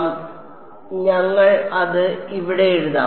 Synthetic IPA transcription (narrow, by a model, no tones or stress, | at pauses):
ɲɐŋːɐɭɐðɨiʋiɽeeɻuða̰ː